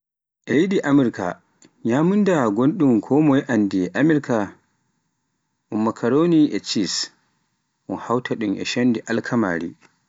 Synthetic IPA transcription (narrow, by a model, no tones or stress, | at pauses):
ʔɛjiɗiʔamiɾka̰ | ɲamundaɡonɗumkʰɔmɔjʔandiɛʔamɛɾka | ʔumːakʰaɾoniʔɛt͡ʃis | ʔunhawtʰaɗumʔɛ̰ʃandiʔalkʰama̰ːɾḭ